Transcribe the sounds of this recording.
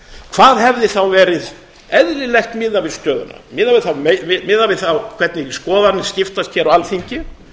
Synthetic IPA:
kʰvaːðɦɛvðɪθawvɛːɾɪð | ɛðlɪlɛjhxt̪mɪðavɪ̥st̪œːðʏ̰na̰mɪðavɪθamevɪmɪðavɪðθawkʰv̥ɛt̪nɪskɔːðanɪscɪft̪ast̪çɛɾawalθiɲcɪ

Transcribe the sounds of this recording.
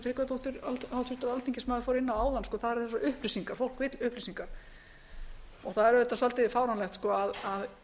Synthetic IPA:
θɾɪkat̪oht̪ʏɾalawt̪ʰʏt̪aɾalt̪ʰiŋcɪsmaðɪfoːɾɪnːaaːwðanskɔːθaðɛɾ̥θɛs̬ːaʏhplisiŋkaɾ̥fowl̥kvɪt̪lʏhplisiŋkaɾ̥ | ɔɣθaðɛɾvɛt̪ːasalt̪ɪfaːwɾanlɛxt̪skɔaðað

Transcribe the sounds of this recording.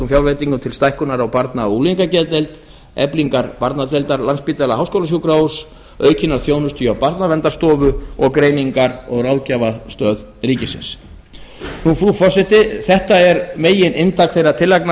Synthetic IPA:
ʏmfjawlɾvejt̪iŋkʏmt̪ʰɪlst̪ajhkʏnaɾawpaɾt̪nauliŋkacɛðt̪ejlt̪ | ɛ̰pliŋkaɾpaɾt̪nat̪ejlt̪aɾlanspiːt̪ɛlaɦawskowlasjuwkɾawʏɾ̥s | œːɥcɪnaɾ̥θjoːwnʏst̪ʰyawpaɾt̪navɛnt̪aɾst̪ɔːvʏɔɣkɾeːjniŋkaɾɔɣrawðcavast̪œːð | riːcɪsɪ̰ns | nufɾuːfɔsɛht̪ɪθɛht̪aɛɾmeːjɪnʔɪnt̪ʰakθejɾat̪ʰɪlːajkna

